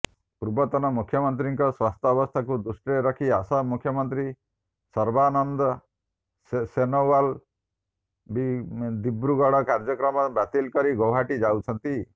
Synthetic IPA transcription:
puɾbɔt̪ɔnɔmukʰːjɔmɔnt̪ɾiŋkɔswast̪ʰɔːbɔst̪ʰakud̪usʈɾeɾɔkʰiasɔmukʰjɔmɔnt̪ɾi | sɔɾbanɔnd̪ɔ | senowal | bid̪ibɾuɡɔɽɔkaɾd͡ʒɔkɾɔmɔbat̪ilkɔɾiɡɔwɦaʈid͡ʒawt͡ʃʰɔnt̪i

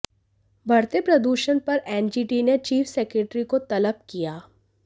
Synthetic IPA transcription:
bʱɐɾt̪epɾɐd̪uːʃənpɐɾɛːnd͡ʒiːʈinet͡ʃiːfʰsɛːkɾeːʈɾikot̪ɐləbkijaː

